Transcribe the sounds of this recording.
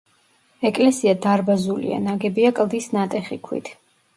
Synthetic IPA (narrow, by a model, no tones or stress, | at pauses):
ɛkʼlɛsiad̪aɾbazulḭa̰naɡɛbiakʼlˠd̪isnat̪ʼɛχikʰwḭt̪ʰ